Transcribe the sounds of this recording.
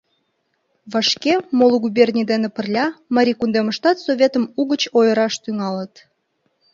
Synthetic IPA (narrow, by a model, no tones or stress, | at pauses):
βɑʃkemoloɣubʲernʲid̪enepərlʲɑmɑɾʲikund̪eməʃt̪ɑt̪soβʲet̪əmuɣət͡ɕojəɾɑʃt̪yŋɑlət̪